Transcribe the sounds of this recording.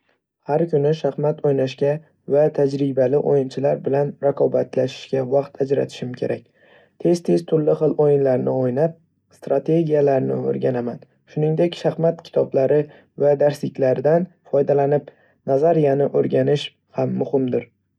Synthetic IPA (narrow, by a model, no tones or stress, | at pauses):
haɾkʲʰʊnɪʃahmat̪ʰojnaʃkʲa | vat̪ʰad͡ʒɾɪbalɪʔo̰jɪnt͡ʃʰɪlaɾbɪlanɾaqʰɒbat̪ʰlaʃɪ̥ʃkʲavɑqt̪ʰad͡ʒɾa̰t̪ʰɪ̥ʃɪmkʲʰe̞̰ɾʔakʲ | t̪ʰe̞z̥t̪ʰe̞zt̪ʰʊɾlːɪχɨlˠojɪnlaɾnɪojnap̚ | st̪ɾat̪ʰe̞ɡʲijalaɾnɪ̰o̰ɾɡʲanaman | ʃʊnɪŋd̪e̞kʲʃahmat̪kʲʰɪ̥t̪ʰɒblaɾɪ | vad̪aɾslɪkʲlaɾɪd̪an | fɒjd̪alanɪp | nazaɾijanɪʔoɾɡʲanɪʃ | hamːʊhɪmd̪ɪɾ